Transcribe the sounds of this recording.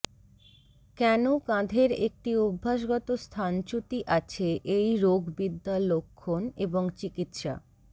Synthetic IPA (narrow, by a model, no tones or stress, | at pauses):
kɛnokãd̪ʱeɾek̚ʈiobʱːaʃɡɔt̪ost̪ʰant͡ɕut̪iʔat͡ɕʰeʔejɾoɡbid̪ːalːokʰːoneboŋt͡ɕikit̪ʃa̰